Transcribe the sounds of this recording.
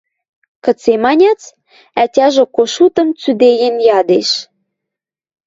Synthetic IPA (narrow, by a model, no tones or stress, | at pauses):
kə̆t͡semɑnʲɑt͡s | ætʲɑʒĕkoʃut̪ə̆mt͡syd̪ejenjɑd̪eʃ